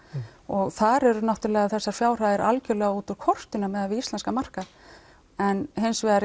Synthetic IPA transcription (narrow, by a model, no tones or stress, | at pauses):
ɔɣθaɾɛɾʏnaht̪ʏɾlɛːɣaθɛsːaɾ̥fjaːwr̥aðɛɾʔa̰lcʏlɛɣaut̪ʏɾkʰɔr̥t̪ʏnamɛðavɪist̪ɛnskamar̥ka | ɛnɦejnsvɛðaɾ